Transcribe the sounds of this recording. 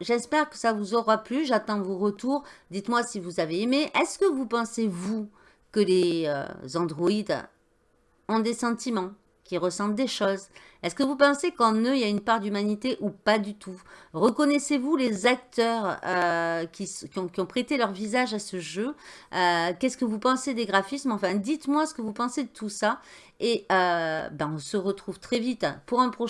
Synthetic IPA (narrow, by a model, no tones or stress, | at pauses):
ʒɛspɛʁkə̥savuzɔʁaplyʒat̪ɑ̃voʁət̪uʁd̪it̪mwasivuzaveːmeʔɛskəvupɑ̃sevu | kəleø̰zɑ̃d̪ʁɔid̪ | ɔ̃d̪esɑ̃t̪ʰimɑ̃ | kʲiʁəsɑ̃ld̪eʃoz | ɛskəvupɑ̃sekɑ̃nøijaynpaʁd̪ymanit̪eʔupad̪yt̪ʰuʁəkɔnɛsevulezak̚t̪œʁøkʲiskʲiɔ̃kʲiɔ̃pχet̪elœʁvizaʒasəʒøøkʲɛskəvupɑ̃sed̪eɡʁafismɑ̃fɛ̃d̪it̪mwasə̥kəvupɑ̃sed̪ət̪usa | eøbaɔ̃səʁət̪χuv̥t̪χɛvit̪puʁɛ̃pχɔ